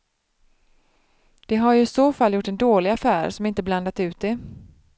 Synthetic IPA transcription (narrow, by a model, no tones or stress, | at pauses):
d̪̥ɛɦaɾjɵɪsoːfalːjʊʈːɛnd̪oːlɪɡafæːɾʂɔmɪnt̪əbland̪at̪ʉ̟ːt̪̚d̪ɛ